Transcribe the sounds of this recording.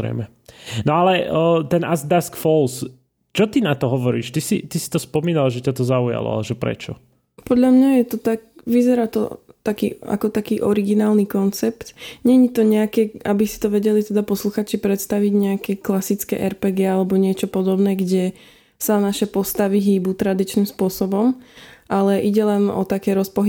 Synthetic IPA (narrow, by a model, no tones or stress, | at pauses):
ɾɛ̰mɛ | nɔalɛt̪ɛnʔazd̪askfɔls | t͡ʃɔt̪inat̪ɔɦɔʋɔɾḭːʃt̪isḭt̪isi̥t̪ɔspɔmiːnalʒɛcat̪ɔzauja̰lɔ̰a̰lɛʒɛpɾɛ̰t͡ʃɔ̰ | pɔd̪ʎamɲajɛt̪ɔt̪ak̚ʋizɛɾaːt̪ɔ̰t̪akḭːa̰kɔt̪akiːʔɔɾiɡinaːlnikɔnt͡sɛpt̪ɲɛɲit̪ɔɲɛakɛabisi̥t̪ɔʋɛɟɛlit̪ɛd̪apɔsluxaːt͡ʃipɾɛt̪st̪aʋiɟɲɛakɛklasit͡skɛ̰ːʔɛɾpɛːɡɛalɛbɔɲɪɛt͡ʃɔpɔd̪ɔbnɛːɡɟɛ | sanaʃɛpɔst̪aʋiɦiːbut̪ɾad̪it͡ʃnimspʊɔsɔbɔmʔalɛʔiɟɛlɛnɔ̰t̪akɛːɾɔspɔɦi